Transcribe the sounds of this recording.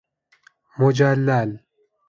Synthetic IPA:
mod͡ʑalːal

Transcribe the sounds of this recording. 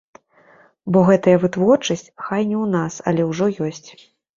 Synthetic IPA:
bɔɣɛt̪ɐjɐvɨt̪vɔrt͡ʂɐsʲt͡sʲxajnʲɛwnasɐ̰lʲɛwʐɔjɔsʲt͡sʲ

